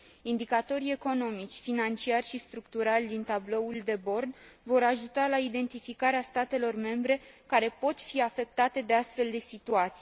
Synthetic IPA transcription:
ind̪ikat̪o̞ɾie̞ko̞no̞mit͡ʃʲfinant͡ʃiarʲʃist̪ɾukt̪uɾalʲd̪int̪ablo̞uld̪e̞bo̞rd̪vo̞ɾaʒut̪alaid̪e̞nt̪ifikaɾeast̪at̪e̞lo̞rme̞mbɾe̞kaɾe̞po̞t̪fiafe̞k̚t̪at̪e̞d̪e̞ast̪fe̞ld̪e̞sit̪uat̪si

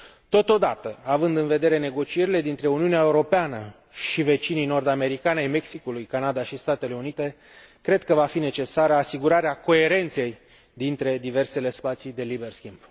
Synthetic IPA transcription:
t̪o̞t̪o̞d̪at̪əavɨnd̪ɨnve̞d̪e̞ɾe̞ne̞ɡo̞t͡ʃie̞ɾile̞d̪int̪ɾe̞uniuneae̞uɾo̞peanə | ʃive̞t͡ʃinijno̞rd̪ame̞ɾikanajme̞ksikulujkanad̪aʃist̪at̪e̞le̞unit̪e̞ | kɾe̞d̪kəvafine̞t͡ʃe̞saɾəasiɡuɾaɾeako̞e̞ɾe̞nt̪se̞j | d̪int̪ɾe̞d̪ive̞rse̞le̞spat̪sid̪e̞libe̞rskʲimb

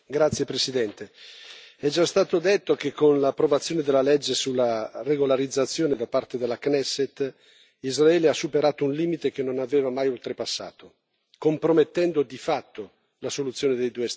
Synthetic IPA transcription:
ɡɾat̪sːjepɾesid̪ɛnt̪e | ɛd͡ʒast̪aːt̪od̪et̪ːokekːonlaːpːɾovat̪sːjoːned̪elːalɛd͡ʒːesulːareɡolaɾid̪zːat̪sːjoːned̪apart̪ed̪elːaknɛsːet̪ | izraɛːleasːupeɾaːt̪ounliːmit̪ek̟enːonavɛːvamajolt̪ɾepasːa̰ːt̪o | kompɾomet̪ːɛnd̪od̪ifat̪ːo | lasolut̪sːjoːned̪ejd̪uːes

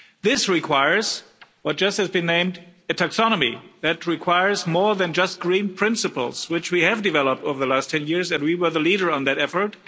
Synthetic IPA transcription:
ðɪsɹikʰw̥aɪə˞z̥wʌt̚d̥ʒ̥ʌst̚hɨzbɨ̃nːẽɪ̃mdɨtʰæksɑñəmḭðɨt̚ɹikʰw̥aɪə˞zmɔɹðɨ̃nd͡ʒʌst̚ɡ̥ɹĩnpʰɹ̥ɪ̃nsɨpl̩ˠz̥wɨt͡ʃwiɨvdɨvɛlˠəp̚toʊvə˞ðəlæstʰɛ̃njɪɹzɨ̃nwiwə˞ðəliɾə˞ə̃nðɨɾɛfə˞t̚

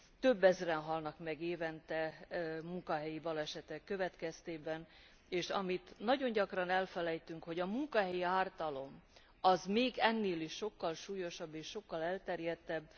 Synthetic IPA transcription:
t̪ø̞bːɛzrɛnɦɒlnɒkmɛɡeːvɛnt̪ɛmuŋkɒɦɛjibɒlɛʃɛt̪ɛkːø̞vɛt̪kɛst̪eːbɛn | eːʃɒ̰mit̪nɒɟo̞ɲɟɒkrɒnɛlfɛlɛjt̪yŋkho̞ɟɒmuŋkɒɦɛjiaːrt̪ɒlo̞m | ɒzmeːɡɛnːeːliʃːo̞kːɒlʃuːjo̞ʃɒbːeːʃːo̞kːɒlɛlt̪ɛrjɛt̪ːɛbː

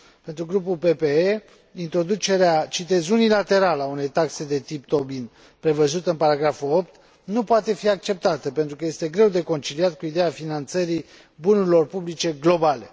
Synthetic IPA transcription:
pe̞nt̪ɾuɡɾupulpe̞pee | int̪ɾo̞d̪ut͡ʃe̞ɾeat͡ʃit̪e̞zunilat̪e̞ɾaləaune̞jt̪akse̞d̪e̞t̪ipt̪o̞bin | pɾe̞vəzut̪ɨnpaɾaɡɾafuo̞p̚t̪ | nupoat̪e̞fiakt͡ʃe̞p̚t̪at̪əpent̪ɾukəje̞st̪e̞ɡɾe̞wd̪e̞ko̞nt͡ʃiliat̪̚kuid̪ejafinant̪səɾi | bunuɾilo̞rpublit͡ʃe̞ɡlo̞bale̞

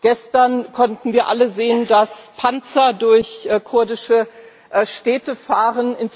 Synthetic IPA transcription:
ɡ̥ɛstɐnkʰɔntn̩viːɐʔaləzeːəndaspʰant͡sɐdʊɐçkʰʊɐdɪʃə | ʔʃtɛːtəfaːʁənɪns

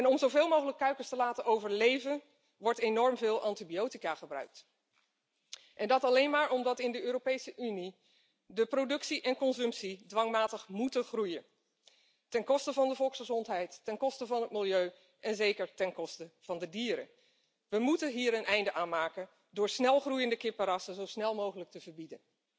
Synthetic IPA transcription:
ɛnɔmzowvɪːlˠmowχələkːœɥkəɹstəlaːtənʔowvəɹlejvən | ʋɔɹtenɔɹmvɪːlˠʔɑntibiowtikaːχəbrœ̰ɥk̚t | ʔɛndɑtɑlejnmaːɹɔmdɑtɪndəøːɾopejsəʔyni | dəprodɵksiʔɛnkɔnzɵmpsidʋɑŋmaːtəχmutəχrujən | tɛnkɔstəvɑndəvɔlˠksχəzɔntɦɛjtːɛnkɔstəvɑnɦət̚mɪlˠjøɥ | ʔɛnzejkəɹtɛnkɔstəv̥ɑndədiːɾə̰ | ʋəmutənɦiːɾənɛjndəʔaːnmaːkən | dʊːɹsnɛlˠχrujəndəkɪpəɾɑsəzowsnɛlˠmowχələk̚təvəɹbidən

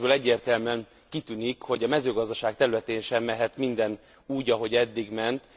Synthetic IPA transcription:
bøːlɛɟːeːrt̪ɛlmyɛn | kit̪ynikho̞ɟɒmɛzøːɡɒzd̪ɒʃaːk̚t̪ɛɾylɛt̪eːnʃɛmːɛɦɛt̪mind̪ɛn | uːɟɒɦo̞ɟɛd̪ːiɡmɛnt̪

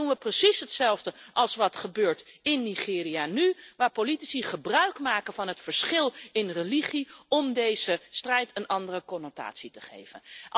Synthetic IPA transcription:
unʋəprəsisɦətsɛlˠvdəʔɑlˠsʋɑtχəbøːɹtɪnːiχɪːrianyʋaːɹpolitisiχəbrœɥkmaːkənvɑnɦətfəɹsχɪlˠɪnreliχiɔmdejz̥əstrɛjtənɑndərəkɔnota̰ːtsitə̥χḛjvə̰n

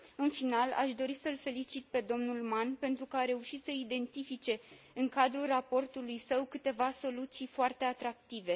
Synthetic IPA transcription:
ɨnfinala̰ʃd̪o̞ɾisəɨlfe̞lit͡ʃit̪̚pe̞d̪o̞mnulmanpe̞nt̪ɾukəaɾe̞uʃit̪səid̪e̞nt̪ifit͡ʃe̞ | ɨŋkad̪ɾurapo̞rt̪ulujsəwkɨt̪e̞vaso̞lut̪sijfoart̪e̞at̪ɾak̚t̪ive̞

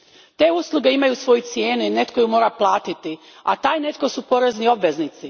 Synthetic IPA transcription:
t̪e̞ːuslˠuɡe̞imajusʋo̞jut̪sjeːnuine̞t̪ko̞jumo̞ːɾaplˠaːt̪it̪i | a̰t̪aːjne̞t̪ko̞supo̞ɾe̞znio̞bʋe̞znit̪si

